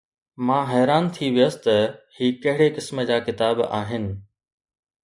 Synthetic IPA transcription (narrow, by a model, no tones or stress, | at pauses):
mãːɦɛːɾaːnt̪ʰiʋijəst̪ɐhiːkɐɦɪɽekɪsməd͡ʑaːkɪt̪aːba̰ːɦɪnɪ̆